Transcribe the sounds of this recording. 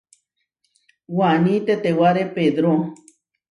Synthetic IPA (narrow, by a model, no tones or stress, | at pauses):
wanĩt̪et̪ewaɾeped̪ɾo